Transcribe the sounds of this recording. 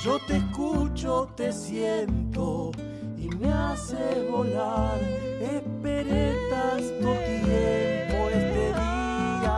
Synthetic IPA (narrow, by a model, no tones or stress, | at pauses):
ʒot̪eskut͡ʃot̪esjent̪o | imeaseβolaɾe | peɾet̪ast̪ot̪jeɾβoest̪eði | a